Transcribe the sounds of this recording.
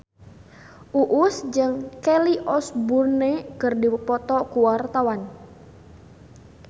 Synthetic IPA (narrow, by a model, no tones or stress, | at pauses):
ʔuʔusd͡ʒɨŋkɛliʔɔsburnekɨrdipɔt̪ɔkuwart̪awan